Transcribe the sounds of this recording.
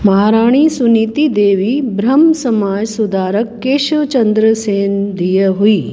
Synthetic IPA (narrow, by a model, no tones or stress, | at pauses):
mɐɦaːɾaːɳ̃isunit̪id̪eːʋibɾɐmsɐmaːd͡ʒsud̪aːɾəkːeːʃət͡ʃɐnd̪ɾəseːnd̪ijəɦuiː